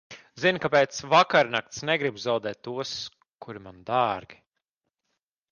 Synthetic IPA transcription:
zinkapeɛːt̪svakaɾnakt̪snɛɡɾibzawd̪ɛːt̪ːuɔs | kuɾimand̪aːɾɡʲi̥

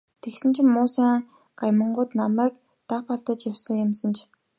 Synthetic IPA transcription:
t̪ʰeksɘ̆nt͡ɕʰɪ̆mːʊːsaːɴ | ɢ̥ajmə̆ɴɢʊːt̪namæːk̚ | t̪apɔɮt̪ə̆t͡ɕjawsə̆ŋjə̆msə̆nt͡ɕʰ

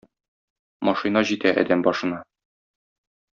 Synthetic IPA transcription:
mɒʃɨnɑʑit̪æʔæ̰d̪æmbɒʃɤ̆nɑ

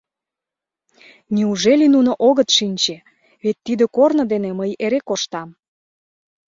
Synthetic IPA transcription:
niuʒelinunoʔoɣət̪ʃinʲt͡ɕe | βet̪ːid̪ə̆kornə̆d̪eneməjeɾekoʃt̪ɑm

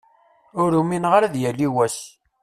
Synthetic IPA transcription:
ʊɾuminʁaɾæðjælːiwæs

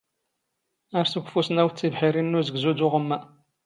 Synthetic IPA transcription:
æɾsəɡʷfusnæwt͡sːivħiɾinːuzəɡzud̪ʊʁəmːæ

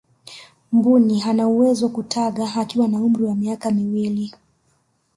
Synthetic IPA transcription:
mbuniɦanauwɛzɔkutʰaɠaːkiwanaum̩ɾiwamiakamiwili

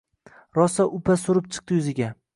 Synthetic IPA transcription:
ɾɒsaʔʊpʰasʊɾɪp̚t͡ʃʰɨ̥q̚t̪ɪjʊzɪɡʲa

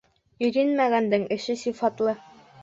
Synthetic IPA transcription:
ɵ̆jɾɘnmæɡænd̪ɘŋɘ̆ʃɘsifɑt̪lˠɤ

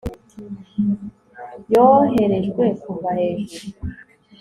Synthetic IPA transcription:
joɦe̞ɾe̞ʒɡwe̞kuvahe̞ːʒuɾu

